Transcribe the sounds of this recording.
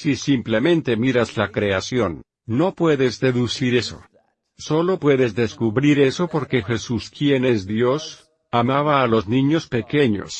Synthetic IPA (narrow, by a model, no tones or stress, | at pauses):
sisimple̞mẽ̞nt̪e̞miɾaslakɾe̞asjo̞nː | o̞pweðe̞zðe̞ðusiɾe̞so̞̰ | so̞lo̞pwe̞ðe̞zðe̞skuβɾiɾe̞so̞po̞ɾke̞xe̞suskje̞ne̞zðjo̞s | amaβaːlo̞znĩɲo̞spe̞ke̞ɲo̞̰s